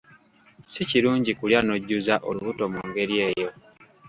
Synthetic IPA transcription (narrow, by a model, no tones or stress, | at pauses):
siciɾuːɲɟikuljano̞ɟːuzaʔoluβuto̞muŋɡe̞ɾije̞ːjo̞